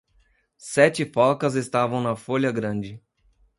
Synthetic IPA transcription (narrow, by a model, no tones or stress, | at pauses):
sɛt͡ʃɪfɔkɐzest̪avɐ̃w̃nɐfoʎɐɡɾɐ̃d͡ʒɪ